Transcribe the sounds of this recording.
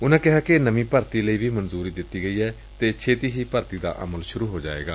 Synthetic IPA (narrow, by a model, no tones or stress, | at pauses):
ʊnãːkɪɦaːkɪnəmĩːpəɾt̪iːləiːʋʱiːmənzuːɾiːd̪ɪt̪ːiːɡəiːɛː | t̪eːt͡ʃʰeːt̪iːɦiːpəɾt̪iːd̪a̰ːʔə̰məlʃʊɾuːɦoːd͡ʒa̰ːḛːɡa̰ː